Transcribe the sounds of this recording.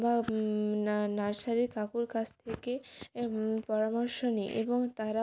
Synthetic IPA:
ba | naɾʃaɾikakuɾkat͡ɕʰt̪ʰeke | pɔɾamɔɾʃonḭʔeboŋt̪aɾa

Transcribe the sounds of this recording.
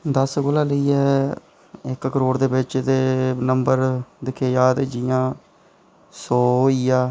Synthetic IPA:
d̪əsɡoːlaːləiːɛː | ɪkkəɾoːɽd̪eːbɪt͡ʃd̪eːnəmbəɾd̪ɪkʰeːjaːd̪d͡ʒɪjãː | sɔːiːaː

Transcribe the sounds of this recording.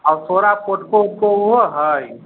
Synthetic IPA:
ɔt̪ʰoːɾapoʈkokoɦoɦəj

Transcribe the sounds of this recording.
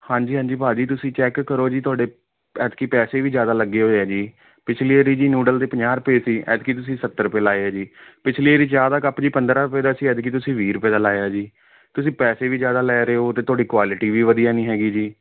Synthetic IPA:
hãːɲd͡ʒiːɦãːɲd͡ʒiːpaːd͡ʒiːt̪ʊsĩːt͡ʃɛːkːəɾoːd͡ʒiːt̪ʊwaːɖeː | ɛːt̪kiːpɛːseːʋiːd͡ʒjaːd̪aːləɡːeːɦoːɛːd͡ʒiː | pɪt͡ʃʰleːeːɾiːd͡ʒiːnuːɖəld̪eːpəɲaːɾpeːsiːʔɛ̰ːt̪kiːt̪ʊsĩːsət̪ːəɾpeːlaːeaːd͡ʒiːpɪt͡ʃʰleːeɾiːd͡ʒaːd̪aːkəpd͡ʒiːpənd̪ɾaːɾʊpeːd̪aːsiːɛːd̪kiːt̪ʊsĩːʋiːɾʊpeːd̪aːlaːeaːd͡ʒiː | t̪ʊsĩːpɛːseːʋiːd͡ʒjaːd̪aːlɛːɾeːoːt̪eːt̪ʊwaːɖiːkwaːlɪʈiːʋiːʋəd̪ijaːnĩːɦɛːɡiːd͡ʒiː

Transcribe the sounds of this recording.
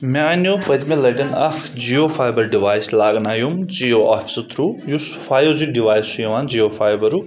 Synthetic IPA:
meanjopɐt̪melɐʈɐnɐxd͡ʒijofʰaːjbɐɾɖiʋaːjslaːɡnaːjumd͡ʒioʔafʰi̥sɐt̪ʰɾujusu̥fʰaːjozuɖiʋaːjsujɐʋaːnd͡ʒiofʰaːjbɐɾu

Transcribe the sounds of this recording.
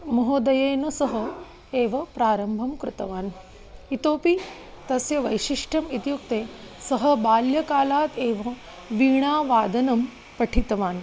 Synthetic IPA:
mɐɦoːd̪ɐjɐjnɐsɐɦə | eːʋɐpɾaːɾɐmbʱɐmkɾɪt̪ɐʋaːn | it̪oːpi | t̪ɐsjɐʋɐjɕiʂʈʰɐmit̪jukt̪e | səɦəbaːljɐkaːlaːt̪eːʋɐ | ʋiːɳ̃aːʋaːd̪ɐnɐm | pɐʈʰit̪ʋaːn

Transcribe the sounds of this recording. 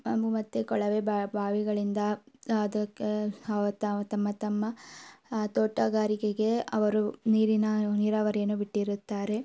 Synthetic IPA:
ɐmbumɐt̪ːekɔɭɐʋeːbbʱaːʋiɡɐɭind̪ɐɐd̪ɐket̪ɐt̪ɐmːɐt̪ɐmːɐ | t̪oːʈːɐːɡaːɾikeɡe̞ɐ̰ʋɐɾuniːɾinɐniːɾaːʋɐɾijɐnːubiʈːiɾut̪ːaːɾe̞

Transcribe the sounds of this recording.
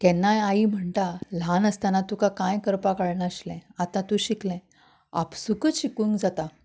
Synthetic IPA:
t̪ɛnːajaim̤əɳʈ̪al̤anəst̪anat̪ukakãjkəɾpakaɭɳaəɕlɛ̃at̪ãt̪uɕiklɛ̃ | a̰psukəɕikũŋkd͡zat̪a

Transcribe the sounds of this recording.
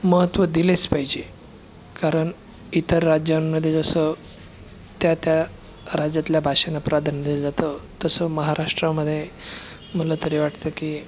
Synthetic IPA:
məɦət̪ʋəd̪ilespaɦjd͡ʑe | kaɾəɳ | it̪əɾːad͡ʑjamməd̪ʱːjed͡zəsə | t̪jat̪ja | ɾad͡ʑjat̪ljabʱaɕənapɾʔad̪ʱand̪ld͡zat̪ət̪əsəməɦaɾʔaʂʈɾaməd̪ʱːje | m̤əlat̪əɾeʋaʈt̪əkiː

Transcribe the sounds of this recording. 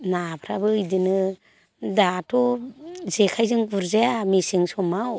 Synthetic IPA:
napʰɾabɯɯjdɯnɯ | datʰɔzekʰajzɯŋbuɾzeamisiŋsɔmaw

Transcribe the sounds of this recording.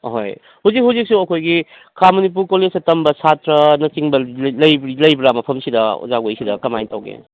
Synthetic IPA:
ɦo̰j | huwzik̚ɦawzik̚suɐkʰojɡi | kʰamɐnip̬ulkolezɐtɐmbɐsatɾɐnɐsiŋbɐlɐjbilɐjbɾamɐpʰɐmsidɐṵzaɡojsidɐkɐmajntawɡḛ

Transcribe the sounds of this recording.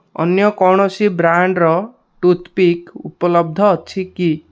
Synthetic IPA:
ɔ̰njɔkɔɽ̃ɔsibɾaɳɖɾɔ | ʈut̪ʰpikupɔlɔb̚d̪ʱɔːt͡ʃʰiki

